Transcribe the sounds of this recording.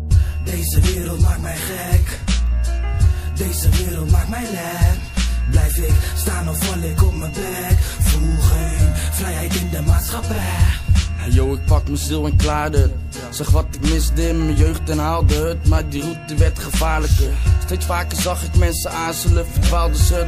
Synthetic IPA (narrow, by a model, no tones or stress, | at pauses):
dejzəʋɪːɾəlˠtmaːk̚tmɛjχɛk | dejzəʋɪːɾəlˠtmaːk̚tmɛjlɛ | blɛjfɪkstaːnɔfɔlɪkɔpməpɛ | kfruχənfrɛjɦɛjtɪndəmaːtsχapɛhajoːɪk̚pɑkməsɪlˠɛnklaːdə | sɛχʋɔtɪkmɪsdɪmmənjøɥχtɛnaːlˠdətmardirut̚dəʋɛrtχəfaːɹləkəstejsfaːkərzɑχɪkmɛnsəaːnsələfətʋaːlˠdəsə